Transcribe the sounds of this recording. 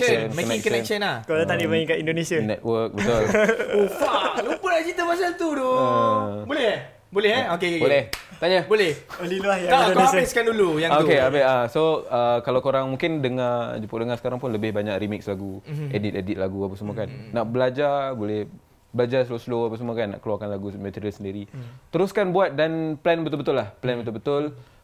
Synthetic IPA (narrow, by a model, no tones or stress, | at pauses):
kənɔnɛŋkəɛnʃənahkodãt̪adibaikaʔindonesianɛt̪̚wək̚bət̪ʊlufalupəlat͡ʃit̪əmasalt̪udo | bolɛh | bolɛhokekkbolɛh | t̪aɲabolɛholiluahjaakaabɛskandulujaŋokeabɛasoəkalawkoɾaŋmũŋkɪndəŋad͡ʒupʊʔdəŋasə̥kaɾaŋpʊnləbɪhbaɲakrimɪk̚slaɡuɛdit̪̚ɛdit̪̚laɡuapasəmokanːaʔbəlad͡ʒabolɛh | bəlad͡ʒaslosloapasəmokanːa̰ʔkəluwarkanlaɡumət̪iɾiəlsəndiɾit̪əɾuskanbuat̪̚danplɛnbət̪ʊlbət̪ʊlahplɛnbət̪ʊlbət̪ʊl